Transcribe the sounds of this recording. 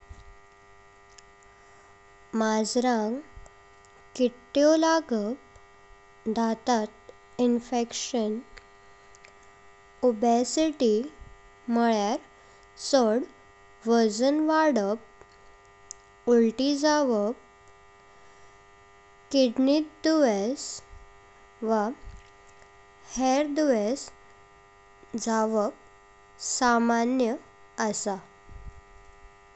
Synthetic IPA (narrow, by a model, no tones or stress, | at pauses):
mad͡zɾãŋɡ | kiʈːjolaɡək̚ | d̪ʱat̪at̪ | infekɕən | obesiʈi | məɭjaɾ | səɽ | ʋəd͡zənʋaɾɽəp̚ | uɭʈid͡zaʋək̚ | kiɖnit̪d̪uʋes | ʋa | heɾd̪uʋes | d͡zaʋək̚ | samanjə | əsa